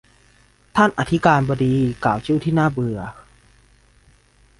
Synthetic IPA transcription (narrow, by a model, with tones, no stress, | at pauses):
t̪ʰa˥˩nʔa̰˨˩t̪ʰi˦˥kaː˧nbɔː˧diː˧kaː˨˩˦wt͡ɕʰɯ˥˩˨wt̪ʰiː˥˩naː˥˩bɯ˨˧ɐ